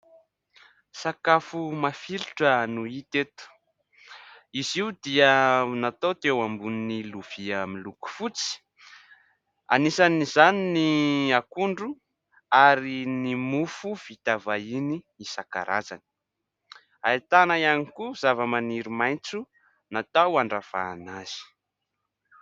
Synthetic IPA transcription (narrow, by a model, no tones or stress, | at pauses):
sakafumafilu̥ʈ͡ʂənuit̪et̪u̥ | iziwd̪iənat̪ot̪ewambuniniluv̥iamiluku̥fut͡si̥ | a̰nisanizaniniakuɳɖ͡ʐu | aɾinimufuv̥it̪avaini | isaka̰ɾʔa̰za̰ni̥ | ait̪anajanikuz̥avəmaniɾimajnt͡su | nat̪awaɳɖ͡ʐav̥a̰ːnaz̥i̥